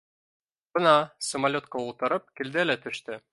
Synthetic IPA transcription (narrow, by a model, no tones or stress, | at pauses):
b̥ɤnɑsə̆mɐlʲo̞t̪̚qɑulˠt̪ɤ̆ɾɤp̚kild̪ælæt̪ʰɵ̆ʃt̪ɵ